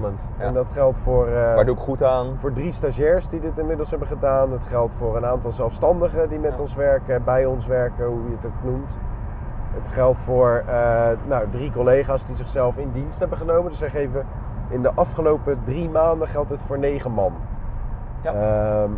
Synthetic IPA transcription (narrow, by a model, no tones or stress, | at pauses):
mənt | ɛndɑtχɛlˠtfʊːraduɪkχutaːnfʊːɹdristaʒɛːɹsdidɪtɪnmɪdəl̩ˠsɦɛbəχədaːnətχɛlˠtfʊːɹənaːntɑlˠzɛlˠfstɑndəχədimɛtɔnsʋɛɹkəbɛjɔnsʋɛɹkəɦujəətoknumt | ətχɛlˠtfʊːɹənawdrikɔlejχaːsdizɪχsɛlˠfɪndinstɦɛbəχənowməndəsɛχejvəʔɪndəʔɑfχəlowpədrimaːndəχɛlˠtɦətfʊːɹnejχəmɑn | ə